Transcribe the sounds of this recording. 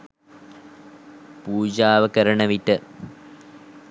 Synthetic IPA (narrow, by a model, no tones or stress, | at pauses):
puːd͡ʑaːʋɐkɐɾɐɳɐʋiʈːɨ